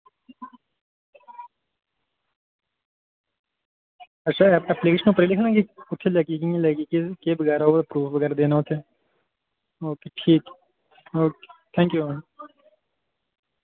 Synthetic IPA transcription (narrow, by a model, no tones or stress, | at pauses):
ɐtːʃʰaɛplikeːʃənuːpɐɾilɪkʰnãɡiʊt̪ʰːelɐkikiẽlɐkikekeːbɐɡɛːɾaoɐpɾuːfʋɐɡɛːɾad̪eːnaot̪ʰe | oːkeʈʰiːk | oːket̪ʰɛ̃ːŋkju